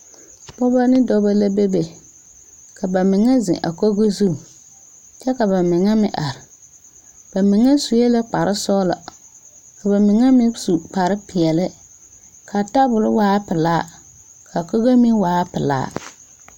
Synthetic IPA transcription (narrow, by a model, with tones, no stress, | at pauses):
bɔ˦ba˦nɪ˦dɔ˦ba˦la˦be˦be˨ | kʰa˨ba˨mɪ˨ŋa˦zɪ̰˨ʔa̰˨ko˦ɡo˦zu˦˨ | t͡ʃɛ˦ka˨ba˨mɪ˨ŋa˦mɪ˦ʔa˨ɾɪ˨ | b̥a˨mɪ˨ŋa˦su˨je˦la˦k͡pa˨ɾɪ˦sɔː˦la̰˨ | ka˨ba˨mɪ˨ŋa˦mɪ˦su˨k͡pa˨ɾɪ˦pɪ˨ɛ˨lɪ˦ | kʰa˨ta˦bʊ˨lʊ˦waː˦pɪ˨laː˦ | kʰa˨ko˦ɣe˦mi˦waː˨˦pɪ˨la̰ː˦